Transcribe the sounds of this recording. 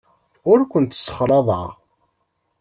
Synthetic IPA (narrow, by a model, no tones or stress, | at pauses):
ʊɾkʷənt̪sːə̥χɾˤɑðˤɑ̰ʁ